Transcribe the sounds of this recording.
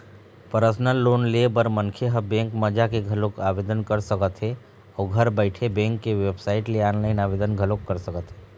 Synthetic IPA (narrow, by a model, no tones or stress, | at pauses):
pəɾəsnəlːoːnlebəɾmənkʰeɦəbẽːŋkməd͡ʒakeɡʱəlokaːʋed̪ənkəɾsəkət̪ɦe | ɔːɡʱəɾbəɪʈʰebẽːŋkːeʋebsaːɪʈleaːnləɪnaːʋed̪ənɡʱəlokːəɾsəkət̪ɦe